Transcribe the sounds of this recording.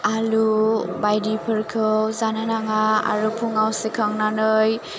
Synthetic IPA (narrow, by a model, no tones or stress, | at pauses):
alubajdipʰɯɾkʰɯwzananaŋaa̰ɾupʰuŋawsikʰaŋnanɯj